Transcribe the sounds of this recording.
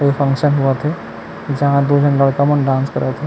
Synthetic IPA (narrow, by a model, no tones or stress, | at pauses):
ipʰə̃ŋkʃənɦuət̪ʰɛ | d͡ʒɐɦãd̪ud͡ʒʱənləɽkəmənɖãːnskəɾʔət̪ʰɛ